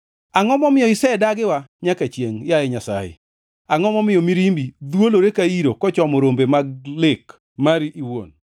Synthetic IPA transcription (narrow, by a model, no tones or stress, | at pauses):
aŋɔmɔmɪjɔɪsɛdaɡɪwaɲakat͡ʃjeŋjajɛɲasa̰jḛ | aŋɔmɔmɪjɔmiɾimbid̪woloɾekaiɾokɔt͡ʃɔmɔɾombemaɡlɪk | maɾiʔiwo̰n